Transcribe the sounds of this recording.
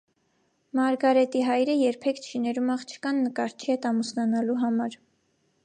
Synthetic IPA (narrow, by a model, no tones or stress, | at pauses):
mɑɾɡɑɾɛt̪iɦɑjɾəjɛɾpʰɛkʰt͡ʃʰinɛɾumɑχt͡ʃʰə̥kɑnːəkɑɾt͡ʃʰihɛt̪ɑmusnɑnɑluɦɑmɑɾ